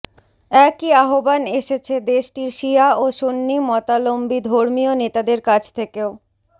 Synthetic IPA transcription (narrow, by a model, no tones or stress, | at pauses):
ɛkiaɦobaneʃet͡ɕʰed̪eʃʈiɾʃiaoʃonːimɔt̪alombid̪ʱoɾmionet̪ad̪eɾkad͡ʑʰt̪ʰekeo